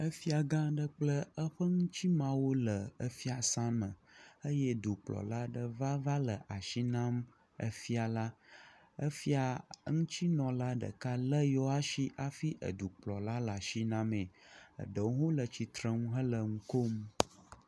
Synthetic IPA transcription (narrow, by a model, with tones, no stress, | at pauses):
ə˦fi˦a˨ɡã˦ɖə˦k͡plə˦ə˦ɸə˦ŋũ˦t͡ɕi˦mã˦wo˦lə˨ə˦fi˦a˨sã˦mə̃˨ə˦jɛ˦d̪u˨k͡plɔ̰˨la˦ɖə˦va˦va˦lə˨ʔa˨ʃi˦nã˦m | ə̰˨fi˦a˨la˦ | ə˦fi˦a˨ŋũ˦t͡ɕi˦nɔ̃˨la˦ɖə̰˨ka˦lə˦jɔ˦a˦ʃi˦ʔa˨fi˦ʔə̰˨d̪u˨k͡plɔ̰˨la˦la˨ʃi˦nã˦mẽ˨ə̰˨ɖə˨wo˦wo˦lə˨t͡ɕi˨t̪ɾə˦ŋũ˦ɦə˦lə˨ŋ̩˦ko˦m